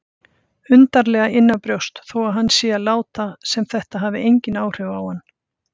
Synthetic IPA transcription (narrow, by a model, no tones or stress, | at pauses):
ʏnt̪aɾlɛɣaɪnːapɾjowst̪θowaðɦanːsjɛːalaːwt̪asɛmθɛht̪aɦaːvɪʔejɲcɪnaːwr̥ʏvawhanː